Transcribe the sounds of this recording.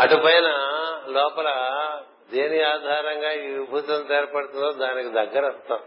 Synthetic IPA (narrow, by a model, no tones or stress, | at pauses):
ɐʈupɐjnɐlɔːpɐlɐ | d̪eːniaːd̪ʱaːɾɐŋɡaːibʱuːt̪ɐnt̪ɛːɾɐpɐɽut̪und̪oːd̪aːnikid̪ɐɡːɐɾɐst̪aːm